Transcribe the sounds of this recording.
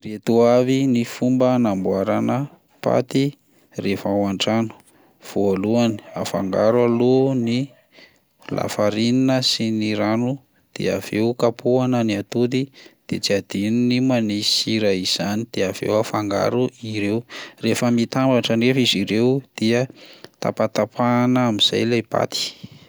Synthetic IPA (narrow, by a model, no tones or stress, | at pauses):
ret̪uavinifumbənambwaɾanə | pa̰t̪i | refawaɳʈ͡ʂanu̥ | v̥oaluani̥a̰fa̰ŋɡaɾwaloni | lʔa̰faɾininəsiniɾanu | d̪̥ḛa̰v̥eukapuanəniat̪ud̪id̪̥et͡siad̪̥ininimanisiɾaiz̥anid̪̥eav̥ḛwafaŋɡa̰ɾuʔiɾewrefəmit̪ambaʈ͡ʂənefiziɾewd̪̥iət̪a̰pat̪apanaamiz̥a̰jlajpa̰t̪i̥